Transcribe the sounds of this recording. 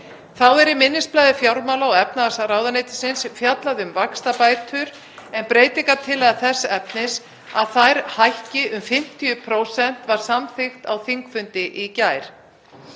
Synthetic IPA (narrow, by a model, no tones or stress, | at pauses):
θawɛɾɪmɪnːɪsplajðɪfjawɾmawlaɔɛp̚naðasaraːwðaneːjt̪ɪ̥sɪnsfjat̪laðʏmvakst̪apaːjt̪ʰʏɾ | ɛnpɾeːjt̪ɪŋkat̪ʰɪlɛːjðaθɛsːaɛpnɪs | aðθajɾ̥hajhcɪʔʏmfɪm̥t̪ʰijʏpʰɾowsɛn̥t̪vaɾ̥samθɪxt̪awθiŋkfʏnt̪ɪʔicaːjɾ̥